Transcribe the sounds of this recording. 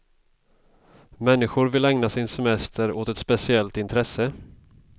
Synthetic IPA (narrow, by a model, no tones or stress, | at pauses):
mɛnːɪɧʊɾvɪlɛŋnasɪnsɛmɛst̪ʰəɾoːt̪ɛt̪spɛsɪɛlt̪ɪnt̪ʰɾɛsːə